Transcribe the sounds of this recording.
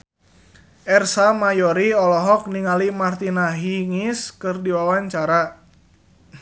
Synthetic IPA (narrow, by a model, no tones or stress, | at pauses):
ʔɛrsamajɔɾiɔlɔɦɔk̚niŋalimart̪inaɦiŋiskɨrdiwawaɲt͡ʃaɾa